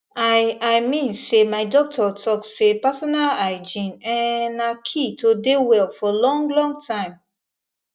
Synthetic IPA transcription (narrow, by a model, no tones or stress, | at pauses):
aaɪmĩnsemaɪdɔk̚tʰɔtʰɔksepasɔnalaɪd͡ʒĩnɛ̃nakʰitʰodewɛlfɔlɔ̃ŋɡlɔ̃ŋɡ̚tʰãɪ̃m